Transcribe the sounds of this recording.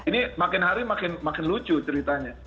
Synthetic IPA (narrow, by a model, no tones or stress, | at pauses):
inimakɪnɦaɾimakɪnmakɪnlut͡ʃut͡ʃəɾit̪aɲa